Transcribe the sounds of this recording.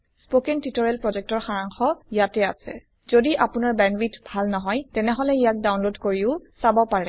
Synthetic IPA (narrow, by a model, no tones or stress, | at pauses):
spokɛntitɔɹɛlpɹɔzɛk̚tɔɹxaɹaŋxɔijatɛa̰sɛ | z̥odiʔapunaɹbɛnbitbʱalnɔɦɔjtɛnɛɦɔlɛijak̚dawnlodkoɹiʊsabɔpaɹɛ